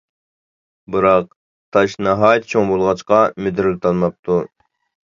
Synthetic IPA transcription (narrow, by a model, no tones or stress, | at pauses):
bɨɾɑq̚ | t̪ʰɑʃnɑɦɑːjt̪̚t͡ʃʰoŋbolˠʁɑt͡ʃqɑmɪd̪ɾlɪt̪ʰɑnmɑp̚t̪ʰu